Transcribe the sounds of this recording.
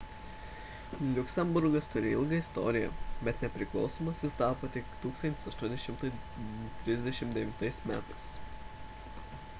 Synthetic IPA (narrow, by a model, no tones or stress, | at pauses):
lʲʊksʲɛmbʊɾɡɐst̪ʊɾʲɪɪlˠɡɐɪst̪ɔ̰ːɾʲɪjɛ̰bʲɛt̪nʲɛpʲɾʲɪklˠɒ̰ʊsoːmɐsjɪst̪ɑːpoːt̪ʲɪkt̪uːksɐnt̪ʲɪ̥sɐʃt̪uɔnʲd̪ʲɛʃʲɪmt̪ʊɪ | t̪ʲɾʲɪzʲd̪ʲɛʃʲɪmt̪d̪ʲɛʋʲɪnt̪ɐɪsmʲæ̰ːt̪ɐɪs